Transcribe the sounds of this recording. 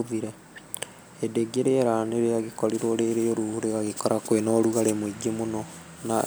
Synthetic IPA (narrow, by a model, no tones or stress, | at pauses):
ðiɾɛ | edeɡeɾeɛɾaneɾeaɣekɔɾiɾoɾeɾeoɾuuɾeɣaɣekɔɾakwenɔɾuɣaɾemoiɡemonɔ | na